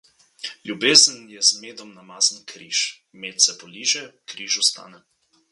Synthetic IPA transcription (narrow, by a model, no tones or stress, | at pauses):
lʲjubeːzənjɛzmeːd̪ɔmnamaːznkɾiːʃ | meːt̪sɛpɔliːʒɛkɾiːʒust̪a̰ːnɛ